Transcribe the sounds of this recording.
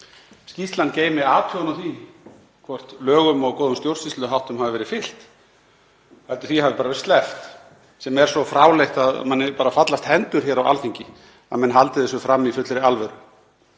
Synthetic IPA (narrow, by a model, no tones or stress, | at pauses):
skcist̪lant̪ceːjmɪaːt̪ʰʏnawθi | kʰvɔr̥t̪lœːɣʏmɔɣkɔːðʏmst̪jowɾ̥sist̪ʏɦawht̪ʏmɦavɪvɛɾɪfɪl̥t̪ | alt̪ɪ̥θihavɪɾpaːɾaɛɾst̪lɛft̪ | sɛmɛɾ̥sɔfɾaːwlejht̪aðmanːɪpaːɾafat̪last̪hɛnt̪ʏɾ̥çɛɾawa̰lfiɲcɪ | a̰ðmɛnɦalt̪ɪðɛsʏfɾamːifʏt̪lɾɪalvɛɾʏ